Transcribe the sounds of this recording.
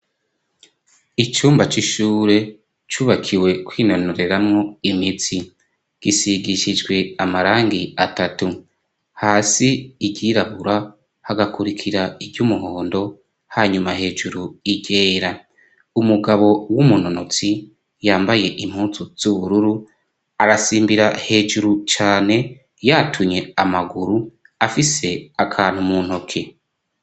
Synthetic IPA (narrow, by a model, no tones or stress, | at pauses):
it͡ʃuːmbat͡ʃiʃuːɾe̞ | t͡ʃuːβakʰiwe̞kwiːno̞noɾe̞ɾamŋo̞imit͡si | ɡ̥isiɡiʃid͡ʒɡwe̞amaɾaːŋɡiatatu | haːsiiɟiɾaβuɾa | haɡakuɾikʰiɾaibɟumuɦo̞ːndo̞ | haɲumaɦe̞ːʒuɾuiɟe̞ːɾa | umuɡaβo̞wumuno̞no̞t͡si | jaːmbaje̞ʔim̥huːsuz̥uβuɾuɾu | aɾasiːmbiɾahe̞ːʒuɾut͡ʃaːne̞ | jatʰumɲe̞amaɡuɾu | afise̞akʰaːn̥humunho̞kʰe̞